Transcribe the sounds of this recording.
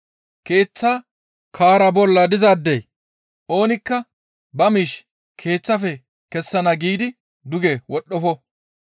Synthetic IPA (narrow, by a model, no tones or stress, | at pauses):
ke̞ːt͡sːaː | kʰaːɾɐbɔlːɐd̪ɪzɐd̪ːɛj | ʔo̞ːnɪkːɐ | bɐmiːʃ | kʰe̞ːt͡sːɐfɛ | kɛsːɐnɐɡiːd̪ɪ | d̪ʊɡɛwɔɗːɔfɔ